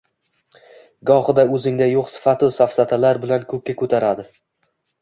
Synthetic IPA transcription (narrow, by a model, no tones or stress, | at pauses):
ɡɒχɨd̪aɵzɪŋd̪ajoqsɪ̥fat̪ʰɪsafsat̪ʰalaɾbɪlankʰɵkʲːakʰɵt̪ʰaɾad̪ɪ